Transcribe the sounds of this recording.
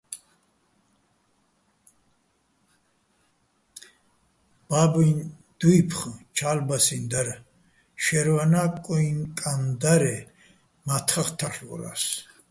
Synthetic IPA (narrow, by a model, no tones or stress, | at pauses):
b̥abin | d̪̥uipʰχt͡ʃʰalbasind̪aɾ | ʃɛɾvanakʼuiŋkʼand̪aɾɛ | mat̪ʰχaχt̪ʰaχɔ̰la̰s